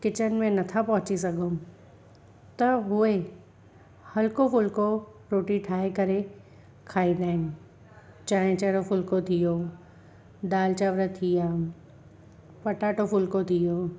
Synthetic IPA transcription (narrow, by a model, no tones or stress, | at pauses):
kɪt͡ɕən̆mẽnɐt̪ʰapɐɦʊt͡ɕisɐɡʱom | t̪ɐɦʊe | hɐlkofʊlko | ɾoːʈiʈʰaːɦekɐɾe | kʰaːid̪aːɪnɪ̆ | t͡ɕaːɦɪ̃t͡ɕɐːɾofʊlkot̪ʰijo | d̪aːlt͡ɕaʋɾət̪ʰijã | pɐʈaːʈofʊlkot̪ʰijoː